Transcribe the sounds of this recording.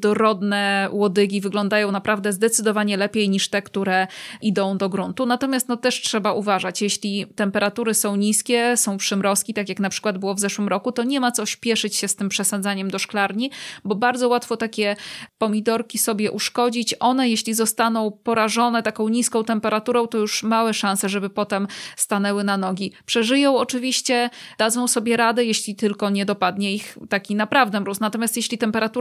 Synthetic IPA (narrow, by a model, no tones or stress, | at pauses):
d̪ɔɾɔd̪nɛwɔd̪ɘɡʲivɘɡlɔnd̪ajɔ̃w̃napɾavd̪ɛzd̪ɛt̪sɘd̪ɔvaɲɛlɛpʲjejɲiʂt̪ɛkt̪uɾɛʔid̪ɔ̃w̃d̪ɔɡɾunt̪unat̪ɔmʲjast̪nɔt̪ɛʂtʂɛbaʔuvaʐat͡ɕjeɕlʲit̪ɛmpɛɾat̪uɾɘsɔ̃w̃ɲiskʲɛsɔ̃w̃pʂɘmɾɔskʲit̪ak̬ʲjaknapʂɘ̥kwad̪̚bɘwɔvzɛʂwɘmɾɔkut̪ɔɲɛmat̪sɔɕpʲjɛʂɘt͡ɕɕɛst̪ɘmpʂɛsad̪zaɲɛmd̪ɔʂklaɾɲibɔbaɾd̪zɔwat̪fɔt̪akʲɛpɔmʲid̪ɔɾkʲisɔbʲjɛʔuʂkɔd͡ʑit͡ɕʔɔn̪ɛjeɕlʲizɔst̪anɔ̃w̃pɔɾaʐɔnɛt̪akɔ̃w̃ɲiskɔ̃w̃t̪ɛmpɛɾat̪uɾɔ̃w̃t̪ɔjuʂmawɛʂãnsɛʐɛbɘpɔt̪ɛmst̪anɛwɘnanɔɡʲipʂɛʐɘjɔ̃w̃ɔt͡ʂɘvʲiɕt͡ɕɛd̪ad̪zɔ̃w̃sɔbʲjɛɾad̪ɛjeɕlʲit̪ɘlkɔɲɛd̪ɔpad̪ɲɛixt̪akʲinapɾavd̪ɛmɾusnat̪ɔmjast̪jeɕlʲit̪ɛmpɛɾat̪u